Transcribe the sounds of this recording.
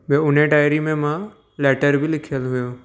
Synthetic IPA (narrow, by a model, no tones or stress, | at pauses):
bẽʊn̤eɖaːɪɾimẽmã | lɛːʈəɾbʱɪlɪkʰijəlɦʊjoː